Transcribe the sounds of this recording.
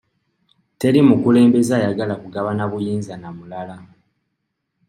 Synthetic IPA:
te̞ɾimukule̞ːmbe̞zaːjaɡalakuɡaβanaβujiːnzanamulala

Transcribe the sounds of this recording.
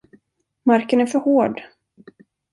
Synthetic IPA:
maɾkənæɾfœɾhoːɖ

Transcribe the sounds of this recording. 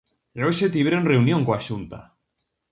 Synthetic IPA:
eoʃet̪̬iβɾenreunjoŋkoaʃunt̪a̰

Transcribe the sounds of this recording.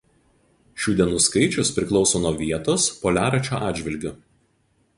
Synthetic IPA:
ʃʲuːd̪ʲiɛnuːskɐɪt͡ʃʲʊspʲɾʲɪklˠɒʊsoːnoɔʋʲiɛt̪oːspoːlʲæːɾɐt͡ʃʲoːʔɑːdʲd͡ʒʲʋʲɪlʲɡʲʊ

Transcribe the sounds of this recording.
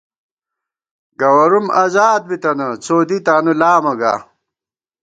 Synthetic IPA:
ɡɐwɐɾumazaːd̪̚bit̪ɐnɐt͡soːd̪it̪aːnulaːmɐɡa̰ː

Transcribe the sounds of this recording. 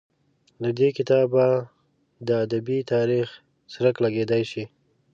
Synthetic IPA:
d̪əd̪ekɪt̪ɑba | d̪əːd̪abit̪ɑɾix | sɾaklaɡed̪ajʃi

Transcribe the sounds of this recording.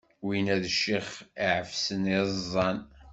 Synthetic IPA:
winæðʃiχiʕəfsənizˤːɑn

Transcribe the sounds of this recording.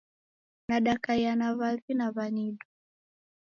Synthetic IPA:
naɗakajanavavinavaniɗu

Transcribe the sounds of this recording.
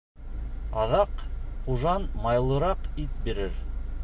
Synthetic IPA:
ɑðɑqχuʒɑnmɑjlˠɤ̆ɾɑqit̪̚biɾɘɾ

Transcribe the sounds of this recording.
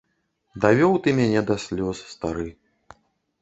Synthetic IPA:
d̪avʲɔwt̪ɨmʲanʲɛd̪asʲlʲɔsːt̪aɾɨ

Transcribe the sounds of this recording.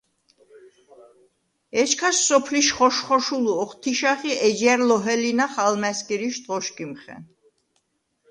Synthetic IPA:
ɛt͡ʃʰkʰasːɔpʰliʃχɔʃχɔʃuluɔχt̪ʰiʃaχiɛd͡ʒɛɾlɔɦɛlinaχalmɛskʼiɾiʃt̪ʼʁɔʃkʼimχɛ̰n

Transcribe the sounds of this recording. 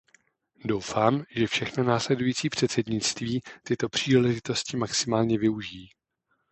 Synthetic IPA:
do̞wfaːmʒɛfʃɛxnonaːslɛdujiːt͡siːpr̝̥ɛt̪sɛdɲɪt͡st̪viːt̪ɪt̪o̞pr̝̥iːlɛʒɪt̪o̞scɪmaksɪmaːlɲɛvɪuʒiː

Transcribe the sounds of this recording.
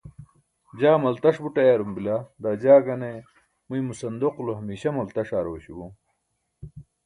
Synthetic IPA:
d͡ʑaːmɐlt̪ɐʂbuʈɐjaːɾumbilad̪ad͡ʑaːɡɐne | mujmusɐnd̪oquluɦɐmiːɕɐmɐlt̪ɐʂaːɾoːɕibu

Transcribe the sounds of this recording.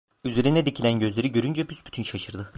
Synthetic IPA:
yze̞ɾinɛd̪icʰilʲænɟø̞zlʲe̞ɾiɟø̞ɾynd͡ʒɛpʰysbyt̪ʰynʃaʃɯɾd̪ɯ

